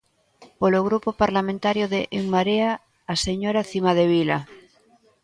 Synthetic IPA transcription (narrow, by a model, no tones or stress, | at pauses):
poloɣɾupopaɾlamẽnt̪aɾjoðeʔeŋmaɾeaː | seɲoɾaθimað̞eβ̞ila̰